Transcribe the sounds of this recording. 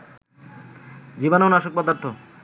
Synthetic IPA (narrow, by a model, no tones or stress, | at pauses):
d͡ʑibanaonaʃok̚pɔd̪aɾt̪ʰo